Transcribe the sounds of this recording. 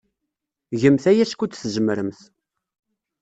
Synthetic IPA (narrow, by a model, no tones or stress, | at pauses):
ʝəmθæjæskʷut͡s̪θʒəmɾəmθ